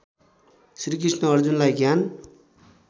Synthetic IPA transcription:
sɾik̬isʈnʌʌɾd͡zunlajɡjan

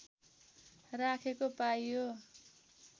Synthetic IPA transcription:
rakʰekopajjo

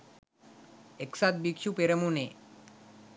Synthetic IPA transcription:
eksat̪̚bikɕupeɾəmune

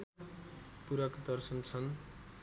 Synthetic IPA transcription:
puɾʌkd̪ʌrsʌnt͡sʰʌn

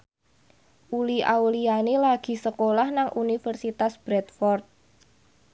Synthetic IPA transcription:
ʔuliʔa̰wlianelaɡ̥i̤səkolahnaŋʔunifərsit̪asb̥ɾɛt̪̚fɔrt̪̚

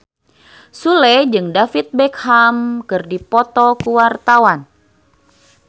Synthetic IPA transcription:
sulɛd͡ʒɨŋdafit̪̚bɛkhamkɨrdipɔt̪ɔkuwart̪awan

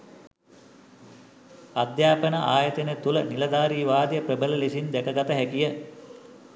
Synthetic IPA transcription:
ad̪jaːpənəʔaːjət̪ənet̪ulənilɐd̪aːɾiːʋaːd̪jəprəbələlesind̪ɛkəɡat̪əɦɛkijə

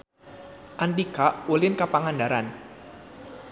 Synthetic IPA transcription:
ʔant̪ikaulɪnkapaŋandaɾan

